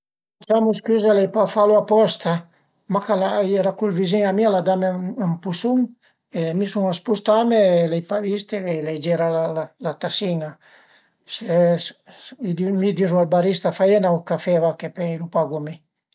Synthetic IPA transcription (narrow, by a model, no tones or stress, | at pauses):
at͡ʃamuskyzalɛjpafaluapɔst̪a | makalajeɾakulviziŋamialad̪amampusuŋ | emisuŋaspust̪amelɛjpavist̪eeled͡ʒeɾalalalat̪asiŋa | se | id̪imid̪izualbaɾist̪afajenaukafɛvakepelupaɡumi